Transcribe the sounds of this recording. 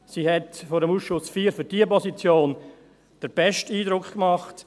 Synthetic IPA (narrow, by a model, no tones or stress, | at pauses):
sihɛtfoːɾəmuːsʃʊsfiːɾfyɾdiːəpɔsit͡sjoːn | d̥əɾb̥ɛʃtiːdɾʊkχkmɑχt